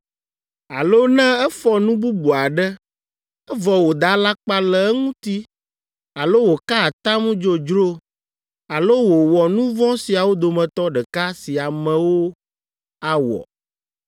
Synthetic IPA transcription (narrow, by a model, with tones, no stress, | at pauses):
a˨lo˦nɛ̃˦ɛ˦fɔ˦nũ˦bu˦bu˨a˨ɖɛ˦ | ɛ˦vɔ˨wo˨d̪a˨˦la˦k͡pa˦lɛ˨ɛ˦ŋũ˦t̪i˦ | a˨lo˦wo˨ka˦a˨t̪a˦mũ˦d͡ʒo˦d͡ʒɾo˦ | a˨lo˦wo˨wɔ˨nũ˦vɔ̃˦si˨a˨wo˦d̪o˨mɛ̃˨t̪ɔ˦ɖɛ˨ka˦si˨a˨mɛ̃˨wo˦ | a˨wɔ̰˨